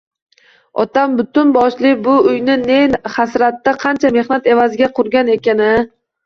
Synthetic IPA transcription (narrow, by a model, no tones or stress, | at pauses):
ɒ̰t̪ambʊt̪ʊnbɒʃlɪbʊʊjnɪnehasɾat̪ːaqʰɑant͡ʃʰame̞hnat̪e̞vazɪɡʲaqʰʊɾɡʲane̞kʲanɪ